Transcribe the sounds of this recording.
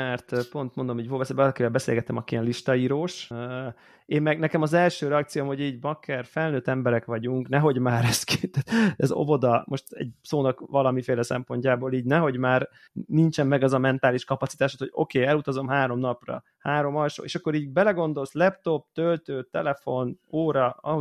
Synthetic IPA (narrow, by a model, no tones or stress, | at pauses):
mɛrt̪po̞nt̪̚mo̞nd̪omiːɟvobɛsbɒlɒkivɛlbɛsḛːlɡɛt̪ɛmɒkiɛnliʃt̪ɒiːɾoːʃ | eːmmɛɡnɛkɛmɒzɛlʃøːɾɛɒk̚tsijomho̞ɟiːɟmɒkʰːɛrfɛlnøːt̪ɛmbɛɾɛkʋɒɟuŋknɛɦo̞ɟmaːɾɛsket̪aːt̪ɛzo̰vo̞d̪ɒmo̞ʃt̪ɛ̰ɟ̚soːnɒkʋɒlɒmifeːlɛsɛ̰mpo̞ɲcaːboːliːɟnɛɦo̞ɟmaːr | nint͡ʃɛmːɛɡɛzɒmɛnt̪aːliʃkɒpɒtsit̪aːʃot̪hoɟo̞̰keːɛlut̪ɒzo̞mɦaːɾo̞mnɒprɒ̰ | haːɾo̞mɒlʃo̰ːḛːʃɒkːo̞ɾiːɟbɛlɛɡo̞nd̪o̞lslɛpt̪o̞p̚t̪ølt̪øːt̪ɛlɛfo̞noːɾɒɒɦo